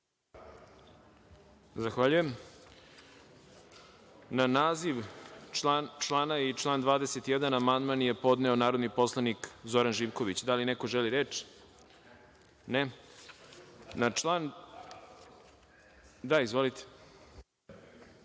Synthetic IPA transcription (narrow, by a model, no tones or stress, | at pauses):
zaxʋaʎujem | nanaːziʋ | t͡ʃlˠaːnait͡ʃlˠaːnd̪ʋaːd̪eset̪jed̪anamand̪manje̞po̞d̪neo̞naːɾod̪nipo̞slˠanikzo̞ɾanʒiʋko̞ʋit͡ɕd̪alinekoʒeliɾeːt͡ʃ | ne | nalan | d̪aizʋo̞lit̪ʰe̥